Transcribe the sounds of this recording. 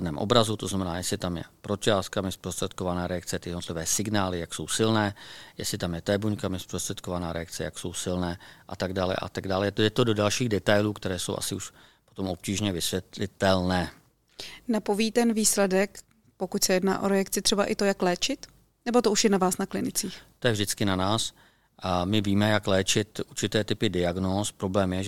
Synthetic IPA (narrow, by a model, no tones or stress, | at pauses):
dnɛːmʔo̞̰bɾazut̪oznamɛnaːjɛslɪt̪amjɛ̰pɾot͡ʃaːskamɪspɾost̪r̥ɛt̪̚kovanaːɾɛakt͡sɛt̪ɪjɛdnot̪lɪvɛːsɪɡnaːlɪjakso̞wsɪlnɛːjɛ̰slɪt̪amjɛt̪ɛbuɲkamɪspɾost̪r̥ɛt̪̚kovanaːɾɛjakt͡sɛja̰kso̞wsɪlnɛːʔat̪aɡdaːlɛ̰ʔa̰t̪aɡdaːlɛjɛdɛt̪ododalʃiːɣdɛt̪ajluːkt̪ɛɾɛːsowʔa̰sɪuʃ | pot̪o̞mʔo̞p̚ciːʒɲɛvɪsʋjɛt̪lɪt̪ɛlnɛː | napoviːt̪ɛnviːslɛdɛk | po̞kucsɛjɛdna̰ːʔo̞̰ɾɛjakt͡sɪt̪r̝̥ɛbaʔɪt̪o̞jaklɛːt͡ʃɪt̪ | nɛbo̞t̪ouʃjɛnavaːsnaklɪnɪt͡siːxt̪ojɛvʒdɪt͡skɪnanaːs | ʔmɪviːmɛjaklɛːt͡ʃɪt̪ʔuɾt͡ʃɪt̪ɛːt̪ɪpɪdɪaɡnoːspɾo̞blɛːmjɛ